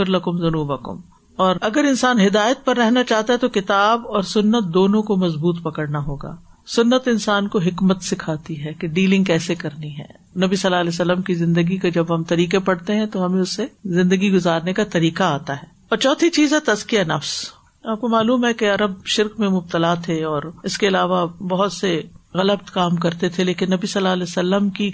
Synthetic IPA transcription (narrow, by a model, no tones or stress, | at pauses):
ʊɾlɐkʊmzɐnuːbɐkʊ̰m | ɔːɾɐɡəɾɪnsaːnɦɪd̪aːjət̪̚pɐɾːɛɦnat͡ʃaːɦt̪aɦɛt̪okɪt̪aːbɔːɾsʊnːət̪̚d̪oːnõkomɐzbuːt̪pɐkəɽnaɦoːɡa̰ː | sʊnːət̪ɪnsaːnkoɦɪkmət̪sɪkʰaːt̪iɦɛːkeɖiːlɪ̃ŋɡkɛːsekɐɾniɦɛ̰ː | nɐbisɐlːaːlɛːsɐlːəmkizɪ̃nd̪əɡikad͡ʒɐbɦɐmt̪ɐɾiːkepɐɽt̪eɦɛ̃t̪oɦɐmẽʊsːezɪ̃nd̪əɡiɡʊzaːɾnekat̪ɐɾiːkaaːt̪aɦɛː | ɔːɾt͡ʃɔːt̪ʰit͡ʃiːzɦɛt̪ɐzkijanɐfs | aːp̚komaːluːmɦɛkeɐɾəbʃɪɾkmẽmʊb̚t̪əlat̪ʰeɔːɾɪskeɪlaːʋabɐɦʊt̪seɣɐləbt̪kaːmkɐɾt̪et̪ʰeleːkɪnːɐbisɐlːaːlɛːsəlːəmki